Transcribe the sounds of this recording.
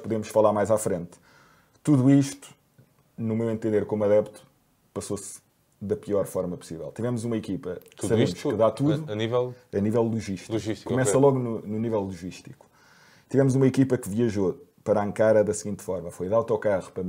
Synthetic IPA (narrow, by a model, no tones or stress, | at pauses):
puðemuʃfɐlˠaɾmajzafɾẽnt̪ | t̪uðuiʃt̪u̥ | numewẽnt̪ẽnd̪eɾkomuɐðɛpt̪u̥ | pɐsos | ðɐpiɔɾfɔɾmɐpu̥sivɛ̰lˠt̪ivɛmuzumɐikipɐt̪uðsɐβemuʃkɨðat̪uðuɐnivɛlˠɐnivɛlˠlˠuʒiʃt̪lˠuʒiʃt̪i̥kumɛsɐlˠɔɣunununivɛlˠlˠuʒiʃt̪iku̥ | t̪ivɛmuzumɐikipɐkɨviɐʒopɐɾaẽŋkaɾɐðɐsɣĩnt̪fɔɾmɐfojðawt̪ɔkaʁupɾɐ